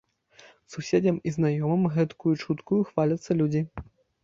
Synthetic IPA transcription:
susʲed͡zʲɐmiznajɔmɨmɣɛt̪kujut͡ʂut̪kujuxvalʲɐt̪sːɐlʲud͡zʲi

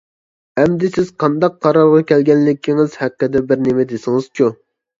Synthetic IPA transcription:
ɛmd̪ɪsɪz̥qʰɑnd̪ɑqʰːɑɾɑɾʁɑkʲʰɛlɡʲɛnlɪkʲʰːiŋɪzhɛqːɪd̪ɛbɪɾnemɪd̪ɪsɪŋɨz̥t͡ʃʰu

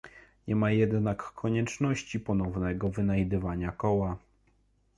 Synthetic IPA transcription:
ɲɛmajɛd̪nakʰːɔɲɛt͡ʂnɔɕt͡ɕipɔnɔvnɛɡɔvɘnajd̪ɘvaɲakɔwa

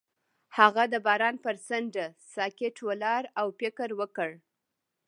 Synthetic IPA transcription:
haɣad̪əbɑɾɑnpəɾsəɳɖasɑkeʈʰwəlɑɾawpɪkəɾwəkəɽ

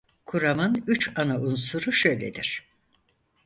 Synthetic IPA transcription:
kʰuɾamɯnyt͡ʃʰanaʔunsuɾuʃø̞jlʲḛd̪iɾ̥

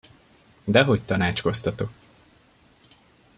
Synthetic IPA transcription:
d̪ɛɦo̞c̚t̪ɒnaːt͡ʃko̞st̪ɒt̪o̞k

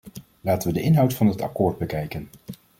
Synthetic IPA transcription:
laːtənʋədəʔɪnɦʌwtfɑnɦətɑ̰kʊːɹd̚bəkɛjkən

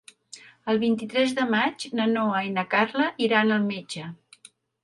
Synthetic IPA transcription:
əlˠβint̪it̪ɾɛzðəmad͡ʒnənoəinəkarləʔiɾanəlˠmed͡ʒə

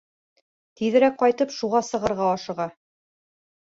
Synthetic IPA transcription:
t̪iðɘ̆ɾæk̚qɑjt̪ɤpʃuʁɑsɤ̆ʁɤ̆ɾʁɑɑʃɤ̆ʁɑ

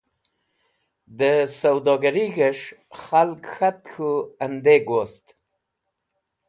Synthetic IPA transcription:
d̪əsawd̪ɑɡaɾiɡəʂxalkxat̪̚kʰuand̪eɡost̪

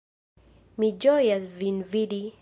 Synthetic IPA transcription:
mid͡ʒɔjasvinvidi

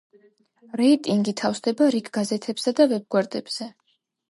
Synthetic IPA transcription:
ɾɛit̪ʼiŋɡit̪ʰafsd̪ɛbaɾikʰɡazɛt̪ʰɛbsad̪avɛb̚ɡwɛɾd̪ɛb̥z̥ɛ

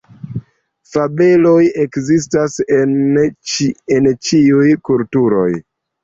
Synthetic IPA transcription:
fabe̞lo̞je̞kzis̬tasen | ent͡ʃiujkultuɾo̞̰j

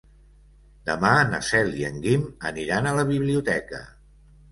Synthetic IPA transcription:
d̪əmanə̰sɛliəŋɡiməniɾanələβ̞iβliut̪ɛkə̰

